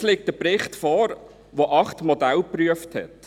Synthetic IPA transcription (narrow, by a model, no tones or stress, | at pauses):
leːk̚tdəpɾɪχtfɔːɾ | ʋoʔɑχtmodælpryəfthɛ̰t